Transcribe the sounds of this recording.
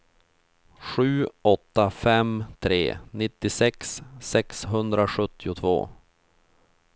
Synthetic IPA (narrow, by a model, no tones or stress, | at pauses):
ɧʉ̟ːɔt̪ːafɛmt̪ʰɾḛːnɪt̪ːɪsɛksːɛksɦɵnd̪ɾaɧɵt̪ːɪʊt̪ʰvo̰ː